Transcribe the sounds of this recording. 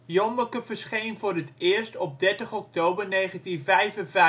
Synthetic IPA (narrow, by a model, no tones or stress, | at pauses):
jɔmbəkəvərsχejnvʊːrətɪːəɹstɔp̚dɛɹtəχɔk̚toːbərnejχəntinvɛjvənvɛ